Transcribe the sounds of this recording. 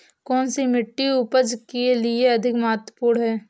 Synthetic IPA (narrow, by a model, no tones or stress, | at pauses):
kɔːnsimɪʈːiupəd͡ʒkelɪeɐd̪ʱɪkmaːət̪əpuːɽɦɛː